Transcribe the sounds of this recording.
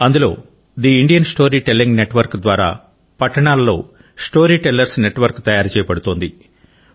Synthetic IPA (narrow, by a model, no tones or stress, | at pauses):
ɐnd̪ulo̞ː | d̪iiɳɖijɐnsʈo̞ːɾiːʈelːiŋɡneʈʋɐɾkd̪ʋaːɾa̰ː | pɐʈːɐɳaːlɐlːo̞̰ː | sʈo̞ːɾiːʈelːɐɾsne̞ʈʋɐɾkt̪ɐjaːɾt͡ʃɛːjɐpɐɽut̪o̞ːnd̪i